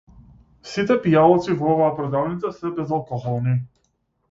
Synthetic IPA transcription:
sit̪ɛpijalˠɔt̪sivɔɔvaːpɾɔd̪alˠnit̪sasɛbɛzalˠkɔxɔlˠni

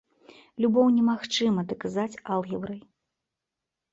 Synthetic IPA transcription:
lʲubɔwnʲɛmaxt͡ʂɨmɐd̪ɐkazat͡sʲalˠɣʲɛbɾɐj

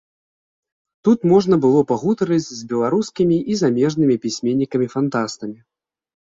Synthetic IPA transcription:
t̪ut̪mɔʐnɐbɨlˠɔpaɣut̪ɐɾɨd͡zʲzʲbʲɛlˠaɾuskʲimʲiʔizamʲɛʐnɨmʲipʲisʲmʲenʲːikɐmʲifant̪ast̪ɐmʲi

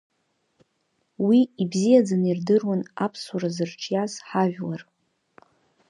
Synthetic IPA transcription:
wiibzijad͡zanirdɨrwanapʰsaɾazɨrʈ͡ʂʰjasħaʒᶣlar

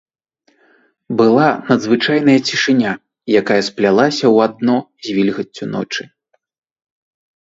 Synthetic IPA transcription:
bɨlˠanɐd̪zvɨt͡ʂajnɐjɐt͡sʲiʂɨnʲa | jakajɐsplʲalˠasʲɐwad̪̚nɔzʲvʲilʲɣɐt͡sʲːunɔ̰t͡ʂɨ

